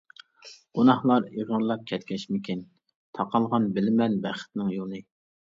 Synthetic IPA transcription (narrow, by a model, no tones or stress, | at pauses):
ɡ̥onɑhlˠɑɾiʁənlˠɑp̚kʲʰɛt̪̚kʲʰɛʃmɪkʲʰin | t̪ʰɑqʰɑlˠʁɑnbɪlɪmɛnbɛχɪ̥t̪nɪŋjolˠnɨ